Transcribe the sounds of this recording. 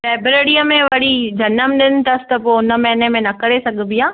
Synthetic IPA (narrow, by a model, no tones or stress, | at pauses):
sɛːbɾeːɽiəmẽʋɐɽid͡ʑɐnəmɗɪnɪ̆t̪ɐsɪ̥t̪ɐpoːʊnəmɛ̃ːnemẽnɐkɐɾesɐɡʱbijãː